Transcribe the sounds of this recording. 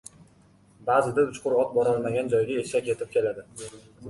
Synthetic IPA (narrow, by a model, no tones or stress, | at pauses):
baːzɪd̪aʊt͡ʃʰqʰʊɾɒt̪̚bɒɾɒlˠmaɡʲand͡ʒɒjɡʲaeʃakʲe̞t̪ʰɪp̚kʲʰe̞lad̪ɪ